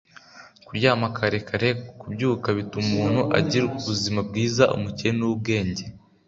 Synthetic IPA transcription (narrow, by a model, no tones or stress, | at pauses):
kuɾjaːmakʰaɾe̞kʰaɾe̞kubɟuːkaβitumuːn̥huʔa̰ɟiɾuβuzimab̚ɡiːzaʔṵmucenub̚ɡe̞ːɲɟe̞